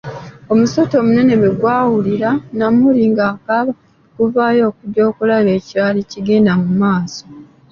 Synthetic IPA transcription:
o̞musoto̞ːmune̞ne̞βeɡwaːwuliɾanamuliŋɡaːkaβa | kuvaːjo̞ːkudo̞ːkulaβe̞ːciaːliciɡe̞ːndamumaːso̥

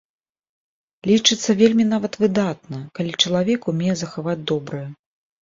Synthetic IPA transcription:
lʲit͡ʂɨt̪sːɐvʲelʲmʲin̪avɐt̪vɨd̪at̪nɐkalʲit͡ʂɐlˠavʲɛkumʲejɛzɐxavad͡zʲd̪ɔbɾɨjɛ

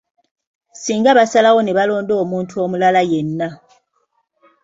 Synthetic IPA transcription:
siːŋɡaβasalaɣo̞neβalo̞ːndo̞ːmuːntʰuo̞mulalajenːa

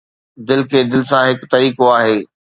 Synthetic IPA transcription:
d̪ɪlkʰeːd̪ɪlɪsãɦɪkt̪ɐɾiːkoaːɦeː

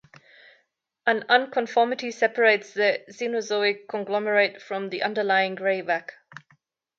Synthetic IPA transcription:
ə̃nʌ̃nkʰə̃ɱfɔɹmɪtisɛpəɹeɪtsðəzinozoɪkʰːə̃nɡlˠɔməɹeɪtfɹə̃mðiʔʌ̃ndə˞lˠaɪɪ̃ŋɡɹeɪvak

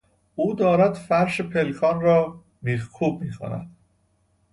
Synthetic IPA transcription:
ʔuːd̪ɒːɾæd̪fæɾʃepʰelkʰɒːnɾɒː | miːhkʰuːb̚miːxʰo̰næ̰d̪̥

